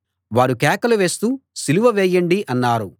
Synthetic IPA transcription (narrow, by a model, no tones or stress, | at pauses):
ʋaːɾukɛːkɐluʋe̞ːst̪uːsiluʋɐʋɛːjɐɳɖiʔɐnːaːɾu